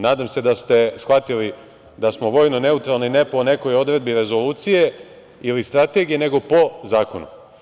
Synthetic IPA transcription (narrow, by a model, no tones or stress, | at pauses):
naːd̪amse̞d̪ast̪e̞sxʋat̪ili | d̪asmoʋo̞ːjnone̞ut̪ɾalˠnine̞po̞ne̞ko̞jo̞d̪ɾe̞d̪̚biɾe̞zo̞luːt̪sije̞ | ilist̪ɾat̪e̞ɡije̞ne̞ɡo̞po̞zaːko̞nṵ